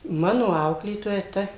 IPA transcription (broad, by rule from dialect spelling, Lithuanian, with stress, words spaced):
ˈmɑːnoː ˈɐʊklʲeːtoːjɛ ˈtɐ